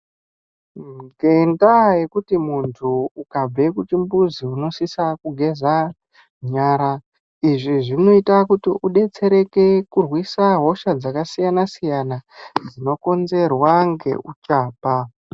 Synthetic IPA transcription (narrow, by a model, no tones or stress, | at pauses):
ɡe̞ndaje̞kutimuntʰuːkab͡ve̞kut͡ʃimbuziuno̞sisakuɡʱe̞za | ɲaːɾa | iʐiʐino̞itakutiʔuɗe̞t͡se̞ɾe̞ke̞kurwisaɦo̞ʃad͡zakasijanasijanad͡zino̞ko̞nze̞rwaŋɡe̞̰ʔut͡ʃaːpa